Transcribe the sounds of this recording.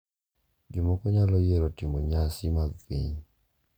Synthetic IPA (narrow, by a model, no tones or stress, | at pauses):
ɡɪmɔkɔɲalɔjeɾɔtɪmɔɲasɪmaɡpḭɲ